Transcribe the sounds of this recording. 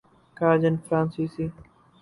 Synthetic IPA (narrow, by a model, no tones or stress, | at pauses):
kaːd͡ʒənfɾãːnsiːsiː